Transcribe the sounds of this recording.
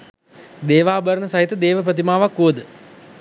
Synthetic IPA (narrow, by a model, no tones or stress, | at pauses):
d̪eːʋaːbəɾənəsaɦit̪əd̪eːʋəp̬ɾət̪̬imaːʋakːuʋəd̪ə